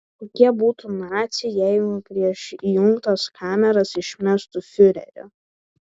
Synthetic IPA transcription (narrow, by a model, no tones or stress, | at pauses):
koːkʲiɛbuːt̪unɑːt̪sʲɪjɛɪʊpʲɾʲiɛʃijʊŋkt̪ɐskʰɑːmʲɛɾɐsɪʃʲmʲæst̪ʊfʲʊɾʲɛ̰ɾʲʊ̰